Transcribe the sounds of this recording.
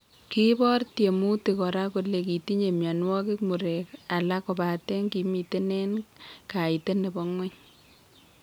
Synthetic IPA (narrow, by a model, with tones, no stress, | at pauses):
ki˦bɔ˦rtje˨mu˦ti˨kɔ˨ɾa˦ko˨le˨ki˨ti˦ɲe˨mja˨n˦wɔ˦kɪ˦kmu˨ɾe˨ka˨la˦kɔ˨ba˨te˦ŋki˨mi˨te˦ne˦nka˨i˨te˦ne˨bɔ˦ŋwɛ˦ɲ